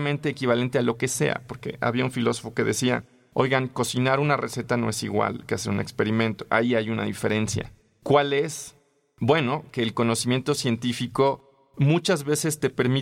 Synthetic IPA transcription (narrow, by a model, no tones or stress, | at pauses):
mẽnt̪e̞ːkiβ̞ale̞nt̪ealo̞ke̞se̞̰a̰po̞ɾke̞̰ʔa̰βiaunfilo̞so̞fo̞ke̞ðe̞sia̰ | o̞̰jɣaŋko̞sinaɾunarese̞t̪ano̞̰e̞siɣwa̰lkeaseune̞̰kspe̞ɾimẽ̞nt̪o̞̥ʔaiajuna̰ðife̞ɾe̞nsja̰ | kwale̞s | bwe̞no̞ke̞ːlko̞no̞simje̞nt̪o̞sje̞nt̪ifiko̞ | mut͡ʃazβe̞se̞st̪e̞pe̞ɾmi